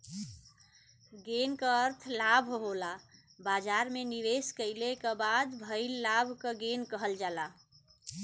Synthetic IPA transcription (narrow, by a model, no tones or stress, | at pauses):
ɡenkəəɾt̪ʰlabʱɦoɦola | bad͡ʒaɾmeniʋeskəɪlekebad̪bʱəɪlːabʱkəɡenkəɦəld͡ʒala